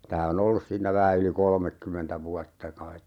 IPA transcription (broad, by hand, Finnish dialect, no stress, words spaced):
tæː on olːus siːnːæ ʋæhæ yli kolmekːymːentæ ʋuɑtːɑ kɑit